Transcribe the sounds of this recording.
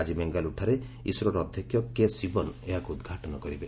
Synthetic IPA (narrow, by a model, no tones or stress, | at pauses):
ad͡ʒimeŋɡaluʈʰaɾe | isɾɔɾɔd̪ʱjɔkʰjɔkesibɔneɦakuud̪ɡʱaʈɔnɔkɔɾibe